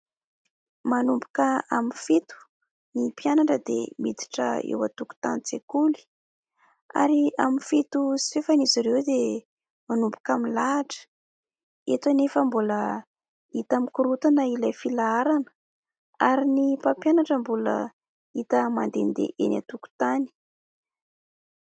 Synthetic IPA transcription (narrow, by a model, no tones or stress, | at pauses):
manumbu̥kəaminfit̪u̥ | nipijanaɳʈ͡ʂəd̪ḛmid̪i̥ʈ͡ʂə̰ḛwa̰t̪uku̥t̪anit͡sekuli̥ | a̰ɾiamifit̪usi̥fefaniziɾewd̪e | manumbukamilaːʈ͡ʂə̥ | et̪anefəmbulə | it̪amikuɾut̪anəilajfilaaɾanə̥ | aɾinipapjanaʈ͡ʂəmbulə̰ | it̪əmand̪end̪ḛʔena̰t̪uku̥t̪ani̥